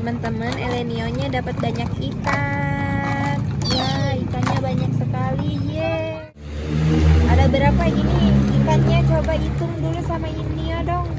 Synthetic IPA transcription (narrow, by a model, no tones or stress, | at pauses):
əmənt̪əmənelenioɲadapət̪̚baɲakit̪a | tjait̪aɲabaɲak̚səkalid͡ʒɛ | adabəɾapaɡiniit̪anɲat͡ʃobait̪ʊŋdulusamainniodɔŋ